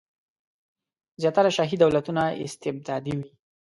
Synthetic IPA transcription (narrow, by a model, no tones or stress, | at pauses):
zjɑt̪aɾaʃɑɦid̪awlat̪unaɪ̰st̪ɪb̚d̪ɑd̪iwi